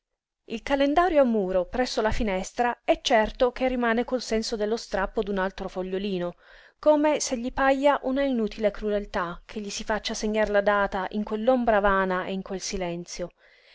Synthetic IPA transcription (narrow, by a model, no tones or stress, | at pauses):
ilkalend̪aːɾjoamːuːɾopɾɛsːolafinɛst̪ɾaɛt͡ʃːɛrt̪ok̟erːimaːnekolsɛnsod̪elːost̪ɾapːod̪unalt̪ɾofoʎːoliːno | koːmeseʎːipaʎːaʔunainuːt̪ʰilekɾud̪elt̪akʰeʎːisifat͡ʃːaseɲːaɾlad̪aːt̪aʔiŋkwelːombɾavaːnaʔeiŋkwelsilɛnt̪sjo